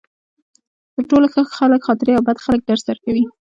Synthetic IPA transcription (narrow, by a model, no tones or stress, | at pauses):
d̪̥əɾʈoloxəɣxaləkxɑt̪ɪɾeawbad̪xalək̚d̪aɾsaɾkawi